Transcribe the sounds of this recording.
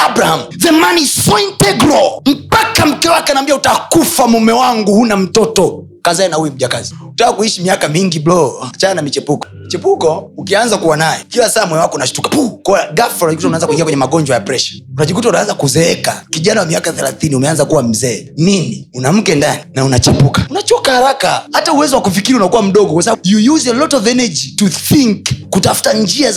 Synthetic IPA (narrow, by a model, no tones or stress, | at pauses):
abɾahamuvɛmanisɔintɛɡɾɔm̩pakam̩kɛwakɛanambiautakufamumɛwaŋɡuhunam̩tɔtɔ | kazaɛnahuwim̩ʄakaziutaːkuiʃimiakamiŋɡiblɔt͡ʃaːnamit͡ʃɛpukɔ̥mit͡ʃɛpukɔukianzakuwanajɛ̰kilasaːmwɛɛwakɔunaʃu̥tukḁpukɔaɡafaunad͡ʒikutaunanzakuiŋɡiakwɛɲɛmaɡɔɲd͡ʒwajapɾɛʃḁunaʄikutaunaanzakuzɛɛkakiʄanawamiakaθɛlaθiniumɛanzakuwam̩zɛːniniunam̩kɛndaninaunat͡ʃɛpukḁunat͡ʃɔkahaɾakahatauwɛzɔwakufikiɾiunakuwam̩ɗɔɡɔkwasaajujuzɛlɔtɔvɛnɛd͡ʒituθiŋkːutafu̥tand͡ʒia